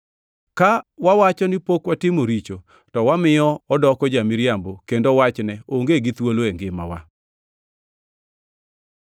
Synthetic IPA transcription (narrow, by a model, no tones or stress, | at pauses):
kawawat͡ʃɔnɪpokwatɪmoɾit͡ʃo | tɔwamɪjɔɔdɔkɔd͡ʒamiɾjambokendowat͡ʃnɛoŋɡeɡɪt̪woloeŋɡɪma̰wa